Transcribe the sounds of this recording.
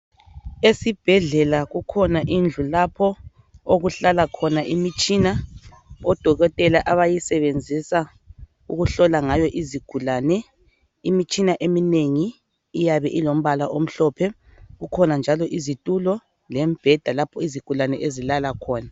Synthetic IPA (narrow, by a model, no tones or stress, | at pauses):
esib̥ʱɛɮɛlaɣukʰɔnaʔind͡ɮʱulapʰɔ | oɣuɬalakʰɔnaʔimit͡ʃʼina | ɔd̥ʱɔɣɔtʼɛlaʔaβajisɛβend͡zʱisa | uɣuɬɔlaŋajɔʔiziɡ̥ʱulaːnɛ | imit͡ʃʼinaʔemineŋiː | jaβɛʔilom̩βalaʔom̩ɬɔːpʰɛ | ɣukʰɔnand͡ʒʱalɔʔizitʼulɔ | lɛmb̥ʱɛd̥ʱalapʰɔiziɡ̥ʱulanɛʔezilalakʰɔːna